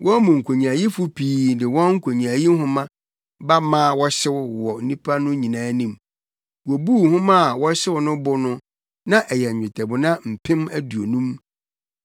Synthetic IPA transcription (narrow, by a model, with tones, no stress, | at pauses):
wʔɔ̃˦mʊ̃˨ŋ̩˨kʰo˨ɲ˨a˨ji˦fʊ˦pʰiː˦dɪ˨wɔ̃˦ŋ̩˦kʷʰo˨ɲĩ˨a˨ji˦ɦʊ̃˦mã˦ | ba˦mã˦˨wɔ˦ɕɪ˦wwɔ˨n̩˨nĩ˦pʰa˦nʊ̃˦ɲĩ˨nãː˦nĩ˨m | wɔ˨buː˦˨hʊ̃˦mã˦˨wɔ˦ɕɪ˦wʊ˨˦nʊ̃˦bʊ˦nʊ̃˦ | nã˦ʔɛ˨jɛ˨ɲ̩ᶣ˨ɪ˨tʰɛ˨bʊ˨nã˦m̩˨pʰɪ̃˦mæ˦du˨o˨nũ˦m